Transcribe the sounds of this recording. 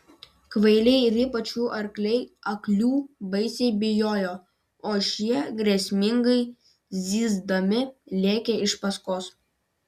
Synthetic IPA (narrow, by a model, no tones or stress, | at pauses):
kʋɐɪlʲɛɪɪɾiːpɐt͡ʃʲuːʔɐɾklʲɛɪɐklʲuːbɐɪsʲɛɪbʲɪjoːjoː | oːʃʲiɛɡɾʲɛsʲmʲɪŋɡɐɪ | zʲiːzd̪ɐmʲɪlʲeːkʲeɪʃpɐskoːs